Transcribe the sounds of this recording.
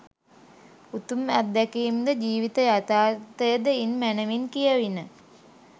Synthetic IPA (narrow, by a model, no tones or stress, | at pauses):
ut̪umat̪̚d̪ækiːmd̪əd͡ʒiːʋit̪əjat̪aːɾt̪əjəd̪əinmænəʋinkijəʋinə